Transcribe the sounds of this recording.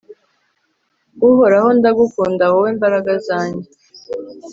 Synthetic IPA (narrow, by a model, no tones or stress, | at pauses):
ɡuɦo̞ɾaho̞ndaɡukuːndawoweːmbaɾaɡazaːɲɟe